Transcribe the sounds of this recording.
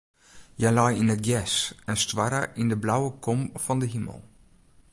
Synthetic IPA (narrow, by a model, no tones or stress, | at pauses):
jəlɔjinət̚ɡjɛsɛnstwaɾə̰ʔindəblawəkʰɔmfɔndəɦimə̰lˠ